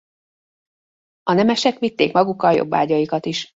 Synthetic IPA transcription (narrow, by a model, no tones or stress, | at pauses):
ɒnɛmɛʃɛkʋit̪ːeːkmɒɡukːɒljo̞̰bːa̰ːɟɒjikɒt̪iʃ